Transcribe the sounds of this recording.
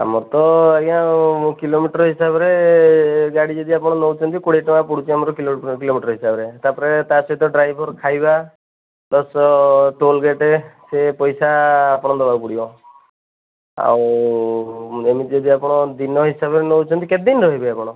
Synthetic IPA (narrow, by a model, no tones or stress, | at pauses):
a̰mɔɾt̪ɔeɡãmũkilomiʈɔɾɔɦisabɔɾe | ɡaɽid͡ʒed̪iapɔɽ̃ɔnɔwt͡ʃʰɔnt̪ikoɽeʈɔapuɽut͡ʃʰiamɔɾɔkilokilomiʈɔɾɔɦisabɔɾet̪apɔɾet̪asɔit̪ɔɖɾajbʱɔɾkʰajba | lɔsɔʈolɡeʈesepɔjsaːpɔɽ̃ɔd̪ɔbapuɽibɔ | a̰w̃ | emit̪d͡ʒed̪iapɔɽ̃ɔd̪inɔɦisabɔɾenɔwt͡ʃʰɔnt̪iked̪inɾɔɦibeapɔɽ̃ɔ